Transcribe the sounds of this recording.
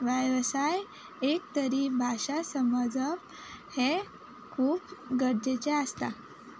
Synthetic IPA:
ʋəjʋəsaj | ek̚t̪əɾiːbʱaɕasəməd͡zəp | he | kʰuːpɡəɾd͡ʑet͡ɕeəst̪a

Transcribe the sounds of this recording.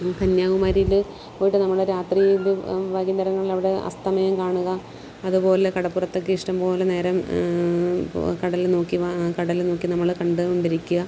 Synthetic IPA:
kɐnjaːʋumaːɾil | oːjiʈːɨnɐmːɐɭɾaːt̪rilɨbaːɣind̪ɐɾɐŋːɐɭilɐʋiɽe̞ɐ̰st̪ʰɐmɐjɐmkaːɳuɣɐː | ðupo̞ːle̞kɐɽɐpːurɐt̪ːo̞k̬ːɨiʂʈɐmpo̞ːlene̞ːɾɐm | kɐɽɐlno̞ːkːiʋɐkɐɽɐlno̞ːkːinɐmːɐɭkɐɳɖɨoɳɖiɾikʲːuɣɐ

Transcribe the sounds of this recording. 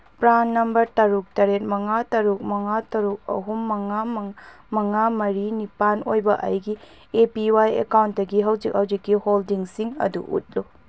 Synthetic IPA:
pɾanːɐmbɐɾtɐɾuk̚tɐɾet̚mɐŋatɐɾuk̚mɐŋatɐɾuk̚ɐ̰ɦumːɐŋam | mɐŋamɐɾinipanojbɐʔɐ̰jɡi | epiwajḛkawntdɐɡiɦɐwzik̚hɐwzikːiholdiŋsiŋɐ̰dṵʔṵt̚lo

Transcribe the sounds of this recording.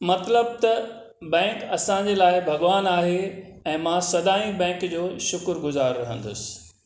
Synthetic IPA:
mɐt̪ləb̚t̪ɐ | bɛ̃ːkɐsãɲ̆d͡ʑeːlaːɪbʱɐɡʋaːnaːɦe | ɛ̃ːmãsɐd̪aːĩbɛ̃ːŋkd͡ʑoːʃʊkɾɡʊzaːɾːɐɦə̃n̆d̪ʊ̰sɪ̥

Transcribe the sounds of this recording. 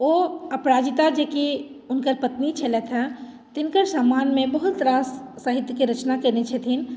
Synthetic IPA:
oːɐpɾaːd͡ʒɪt̪ad͡ʒeki | ʊnkəɾpət̪nit͡ʃʰɐlet̪ʰɦɛ | t̪ɪnkəɾsaːmaːnmẽbɐɦʊt̪ːɾasː | əɦɪt̪jəkeɾət͡ʃnakəɾnet͡ʃʰɛt̪ʰin

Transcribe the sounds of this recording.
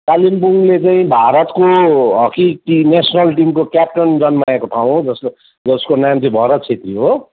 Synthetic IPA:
kalimpuŋlet͡saĩbʱaɾʌt̪koɦʌkiʈinesʌnʌlʈimkokjap̚ʈʌnd͡zʌnmaekoʈʰaw̃d͡zʌs | d͡zʌskonamt͡siĩbʱʌɾʌt̪̚t͡sʰet̪riɦo

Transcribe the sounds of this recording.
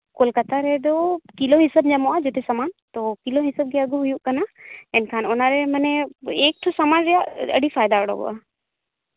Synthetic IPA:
kɔlkat̪aɾɛd̪ɔkilɔɦisəbɲamɔʔad͡ʒɛt̪ɛsamant̪ɔkiloɦisəb̚ɡɛəɡɔɦujuʔkanaɛnkʰanɔnaɾɛmənɛek̚ʈ̪ʰɔsamanɾɛjaʔə̰ɖʱipʰajd̪aəɽɔ̰ɡɔ̰ʔa

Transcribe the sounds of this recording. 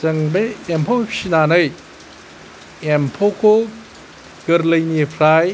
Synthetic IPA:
t͡ʃɐŋbeempʰopʰi̥sinanɯj | empʰokʰo | ɡ̥ɐɾlɐjnipʰɾaj

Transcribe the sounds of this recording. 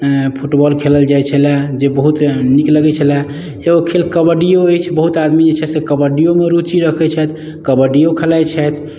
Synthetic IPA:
pʰuʈbɔlkʰeləld͡ʒajt͡ʃʰəlad͡ʒebəɦut̪nikləɡɛt͡ʃʰəlɛ | eɡokʰelkəbəɖijoəjt͡ʃʰbəɦut̪ad̪mid͡ʒet͡ʃʰɛsekəbəɖijomeɾut͡ʃiɾəkʰɛt͡ʃʰɛt̪ʰ | kəbəɖijokʰəlat͡ʃʰɛt̪ʰ

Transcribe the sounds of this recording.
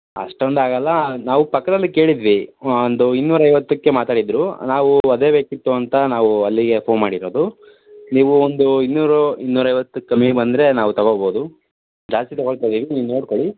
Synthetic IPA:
ɐ̰ʂʈond̪aːɡɐlːɐnaːʋupɐkːɐd̪ɐlːike̞ːɭid̪ʋiond̪uinːuːɾɐjʋɐt̪ːukːemaːt̪aːɽid̪ɾunaːʋuɐd̪e̞ːbe̞ːkit̪ːuɐnt̪ɐnaːʋuɐlːiɡe̞pʰo̞ːnmaːɽiɾo̞ːd̪u | niːʋuond̪uinːuːɾɐinːuːɾɐjʋɐt̪ːukːɐmibɐnd̪ɾe̞naːʋut̪ɐɡoɭboːd̪u | d͡ʒaːst̪it̪ɔɐɡoɭt̪ajd̪iːʋiniːʋno̞ːɽkoɭi

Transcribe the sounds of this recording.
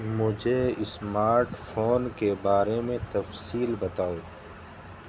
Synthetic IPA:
mʊd͡ʒʱeɪsmaːɾʈfʰoːnkebaːɾemẽt̪ɐfsiːlbɐt̪aːoː

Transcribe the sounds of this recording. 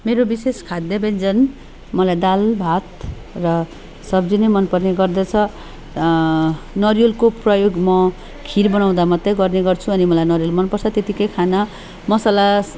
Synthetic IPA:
meɾobiseskʰad̪jʌbend͡zʌn | mʌlajd̪albʱat̪ | rʌ | sʌbd͡zinemʌnpʌrneɡʌrd̪ʌt͡sʰʌ | nʌrijolkoprʌjoɡmʌ | kʰiɾbʌnaw̃d̪amʌt̪ːʌɡʌrneɡʌrt͡sʰuʌnimʌlajnʌɾijolmʌnpʌrt͡sʰʌt̪et̪ikʌjkʰanʌ | mʌsala

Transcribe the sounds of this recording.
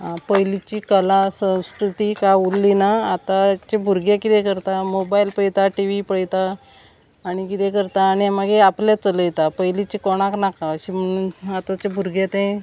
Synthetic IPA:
pəjlit͡ɕikəlasə̃w̃skɾut̪ikaulːinaat̪at͡ɕebʱuɾɡjekit̪ɛ̃kəɾt̪amobajlpəjt̪aʈiʋipəɭjt̪aː | ɽ̃ikit̪ɛkəɾt̪aːɽ̃iamaɡeapljat͡sələjet̪apəjlit͡ɕekɔɽ̃aknakaəɕiməat̪at͡ɕebʱuɾɡjet̪ẽ

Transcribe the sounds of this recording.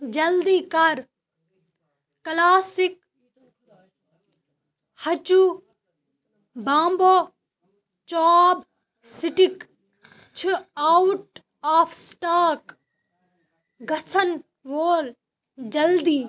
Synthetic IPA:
d͡ʒɐld̪iːkɐɾ | klaːsik̚ | hɐt͡ʃu | bãːmboː | t͡ʃɔːb | sɪʈik | t͡ʃʰiauʈ | aːfʰsʈaːk | ɡɐsʰɐn | ʋoːl | d͡ʒɐld̪iː

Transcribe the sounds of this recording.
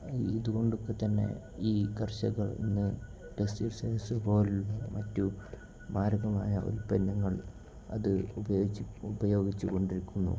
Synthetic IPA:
iðuɣo̞ɳɖokːe̞t̪ɐnːe̞̰ | iːkɐrɕɐ̰ɣɐɭḭnːɨ | ʈesirsesɨro̞ːlːɐinmɐtːu | maːɾɐɣɐmaːjɐʔo̰ɾupenːɐŋːɐɭ | ɐ̰ðɨubɐjoubɐjo̞ːɡit͡ɕːuko̞ɳɖiɾikʲːunːṵ

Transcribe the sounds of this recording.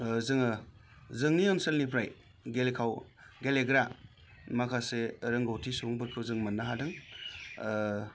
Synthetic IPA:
zɯŋɯzɯŋniɔnselnipʰɾaj | ɡelekʰaw | ɡeleɡɾa | makʰaseɾɯŋɡawtʰisuŋbɯɾkʰɯwzɯŋmɯnːaɦadɯŋ

